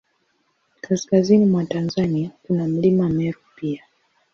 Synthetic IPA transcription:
kaskazinimwatanzaniakunam̩limamɛɾupia

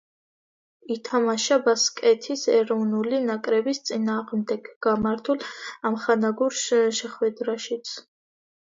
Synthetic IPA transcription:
it̪ʰamaʃabaskʼɛt̪ʰisɛɾɔvnulinakʼɾɛbist̪sʼinaːʁmd̪ɛɡ̥ɡamaɾt̪ʰulˠamχanaɡuɾʃʃɛχwɛd̪ɾaʃit̪sʰ

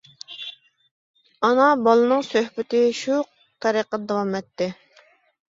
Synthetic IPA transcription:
ɑnɑbɑlˠɨnɨŋsøhbɪt̪ɪʃu | t̪ʰɛɾiqːɑd̪ɑwɑmɛt̪ːɪ

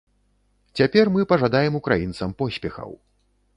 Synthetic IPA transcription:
t͡sʲapʲɛrmɨpɐʐad̪ajɛmukɾajint̪sɐmpɔsʲpʲɛxɐ̰w

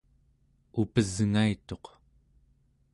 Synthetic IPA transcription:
upəzŋait̪o̞q

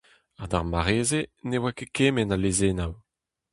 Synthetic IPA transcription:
ad̪aʁmaʁeːzenewakekeːmɛnalezenaw

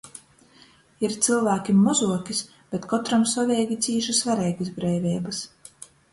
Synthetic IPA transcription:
iɾt̪silˠvæːkʲimːɔzuɔkʲis | b̥ʲet̪kɔt̪ɾamsɔvʲɛːɡʲit̪siːʒɨsvaɾɛjɡɨsbɾɛjvʲɛːbɐs

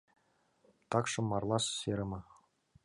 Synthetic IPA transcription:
t̪ɑkʂɤ̆mːɑrlˠɑsseɾʲɤ̆mɤ̆

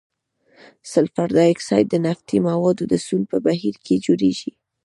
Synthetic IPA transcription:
salfaɾd̪ɑɪksɑjt̪̚d̪ənaft̪imawɑd̪od̪əsulpəbaɦiɾkʰed͡ʒoɾeʒi

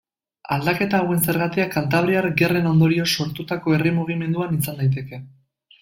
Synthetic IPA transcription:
ald̪ake̞t̪aːwe̞nse̞ɾɣat̪iakant̪aβ̞ɾiaɾɡe̞re̞no̞nd̪o̞ɾio̞so̞ɾt̪ut̪ako̞e̞rimuɣ̞ime̞nd̪uanisand̪ajt̪̬e̞ke̞

